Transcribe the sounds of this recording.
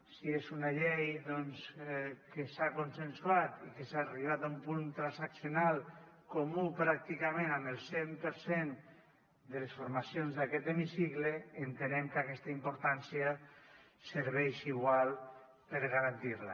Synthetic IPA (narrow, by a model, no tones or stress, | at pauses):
siesunaʎejðɔnskesakonsensuat̪ikesaːriβ̞at̪aumpunt̪ɾansaksjonalˠ | komupɾak̚t̪ikamẽnamelˠsempəɾsen | d̪əlesfoɾmasionzðakɛt̪emisikleːnt̪enɛmkakɛst̪aimpoɾt̪ansja | seɾβɛjʃiɣwalˠ | pəɾɣaɾant̪iɾla̰